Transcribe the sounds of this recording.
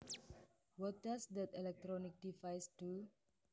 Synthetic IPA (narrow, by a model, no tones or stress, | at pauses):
wɔtasdɛt̪ɛlɛk̚t̪ɾɔnik̚difajstu